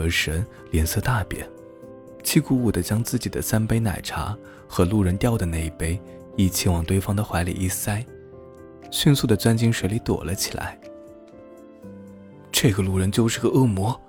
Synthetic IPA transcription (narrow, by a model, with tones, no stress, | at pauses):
ɤ˧˥ʂə˧˥n | ljɛ˧˥nsɤ˥˧t̪a˥˩pjɛ̰˧˥˦ | t͡ɕʰi˥˧ku˧˥u˨˩d̪ə˦t͡ɕjɑ˥ŋt͡sɹ̩˥˩t͡ɕi˨˩d̪ə̰˦sa˥npe˥ɪna̰˨˩ɪʈ͡ʂʰa̰˧˥ | xɤ˧˥lu˥˩ɻə˧˥nt̪jɑ˥˩ʊdə˩na˥˧ɪi˥˩pe˥ɪ | i˨˥˩t͡ɕʰi˧˥nwɑ˨˩ŋt̪we˥˧ɪfɑ˥ŋd̪ə˨xwa˧˥ɪlḭ˨˩i˥˩sa˥ɪ | ɕy˥˧nsu˥˩d̪ə˩t͡swa˥nt͡ɕi˥ŋʂwe˧˥ɪli˧˥t̪wɔ̰˨˩lʔə˦t͡ɕʰi˨˩lʔa̰˧˥ɪ | ʈ͡ʂɤ˥˩ɡə˩lu˥˩ɻə˧˥nt͡ɕjo˥˧ʊʂɻ̩˥˩ɡə˧ɤ˥˩mwɔ˧˥